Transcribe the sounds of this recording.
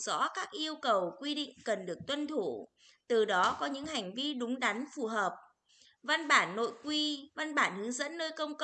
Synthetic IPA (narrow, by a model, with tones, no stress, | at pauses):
z̥ɔ̰˧˥kaː˦˥k̚ʔi˧əwkə˨˩wkwi˧ɗḭ˧˨ŋ̟kə˨˩nɗɨ˨˩ək̚t̪wə˧nt̪ʰu˧˩ | t̪ɨ˨˩ɗɔ˨˦kɔ˨˦ɲɨ̰˧˥ŋha˨˩jŋ̟vi˧ɗʊ˨˦ŋ͡mɗa˨˦jŋfu˨˩ɦəː˨˩p̚ | va˧nɓaː˧˩nːo̰˧˨jkwi˧va˧nɓaː˧˩nhɨ˨˦əŋzə̰˧˥nːəː˧jkə˧wŋ͡mk